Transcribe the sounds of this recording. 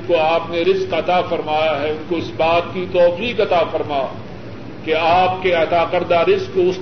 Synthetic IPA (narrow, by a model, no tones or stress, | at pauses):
koaːpneɾɪzqɐt̪afɐɾmaːjaɦɛʊnkoɪsbaːt̪̚kit̪ɔːfiːqɐt̪aːfɐɾmaː | keaːpkeɐt̪aːqɐɾd̪aɾɪzqːoʊs